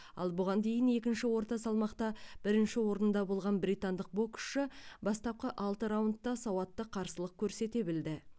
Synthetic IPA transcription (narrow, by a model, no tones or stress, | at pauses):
ɑ̰lˠbʊʁɑnd̪e̞jɪne̞kʲɪnʃɪwo̞ɾt̪ɑsɑlˠmɑqt̪ɑb̥ɪɾɪnʃɪwo̞ɾənnd̪ɑbo̞lˠʁɑnbɾijt̪and̪əq̚bo̞kʲʰʏ̥ʃɪbɑst̪ɑp̚qəʔɑlˠt̪əɾawnt̪ːɑsɑwɑt̪ːəqʰɑɾsəlˠəq̚kʲʰɵɾse̞t̪e̞bɪld̪ɪ